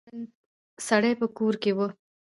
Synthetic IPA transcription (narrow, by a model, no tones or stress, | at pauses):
n | saɽəjpəkoɾkewə